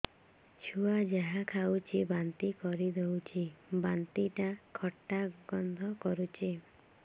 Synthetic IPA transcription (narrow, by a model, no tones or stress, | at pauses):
t͡ʃʰuad͡ʒaɦakʰawt͡ʃʰibant̪ikɔɾid̪ewt͡ʃʰibant̪iʈakʰɔʈːaɡɔnd̪ʱɔkɔɾut͡ʃʰi